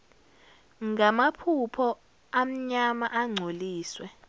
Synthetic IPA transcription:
ŋɡamapʰupʰɔ | am̩ɲamaʔaŋ͡ǀʱoliːswɛ

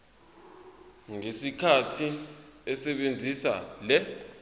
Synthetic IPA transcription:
ŋesikʰatʰiɛsɛɓend͡zʱisa̰lɛ

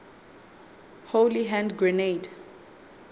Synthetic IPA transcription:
holiɦɛ̃ndɡɹɛned

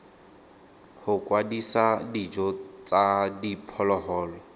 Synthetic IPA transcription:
hʊkwadisadid͡ʒɔt͡sadipʰɔlɔɦɔːlɔ

